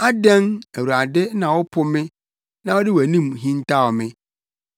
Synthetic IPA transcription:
a˦dɛ̃˦næ˨wu˨ɾa˨dɪ˦nã˨wɔ˦pʰʊ˦mɪ̃˦ | nã˦wɔ˦dɪ˦wæ˨nĩ˦˨m˨ɦĩ˦n˦tʰa˦ɔ˨mɪ̃˦

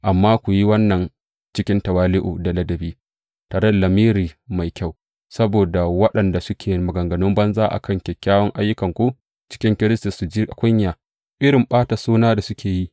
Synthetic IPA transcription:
ʔa˨mːaː˦kʷu˨ji˦wɐ˦nːɐ˨n | t͡ʃɪ˦kʲɪ˦ntɐ˨waː˦lɪ˦ʔu˨dɐ˨lɐ˦dɐ˨biː˦ | taː˨ɾɐ˦˨lɐ˨miː˦ɾiː˨ma˨jkʲa˦˨w | sɐ˦boː˨da˨wɐ˦ɗɐ˨nda˨sʊ˦kʲʰeː˨˦mʊ˨ɡɐ˨ŋɡɐ˨nʊ˦mbɐ˦nzaː˦ʔa̰˨kɐ˦˨ŋkʲɛ˨kʲːaː˦wɔ˦ŋʔa˦jːʊ˦kɐ˨ŋkʷu˦ | t͡ʃɪ̥˦kʲɪ˦ŋkʲɪ˦ɾɪ˦sti˨su˨d͡ʒiː˦˨kʷʊ˦ɲjaː˨ | ʔɪ˦ɽɪ˨mɓaː˦ta˨suː˦naː˦da˨sʊ˦kʲʰeː˨ji˦ʔ

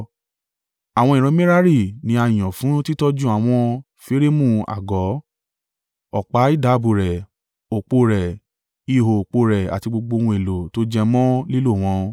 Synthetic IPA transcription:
a˨w̃ɔ̃˧ĩ˨ɾ̃ɔ̃˧˦mẽ˦ɾa˦ɾi˦˨nĩ˧˦a˧˨j̃ɔ̃˨fũ˨˦ti˦tɔ˦d͡ʒũ˦a˨w̃ɔ̃˧ | fe˦ɾe˦mũ˦˨a̰˨ɡɔ˨˦ | ɔ˨k͡pa˨˦i˦˨da˨˦bu˨ɾɛ˨ | o˨k͡po˧ɾɛ˨ | i˧˨ɦo˨o˨k͡po˧ɾɛ˨a̰˨ti˧ɡ͡bo˧ɡ͡bo˧wũ˧e˨lo˨to˨˦d͡ʒɛ˧mɔ̃˦li˦lo˦˨w̃ɔ̃˧

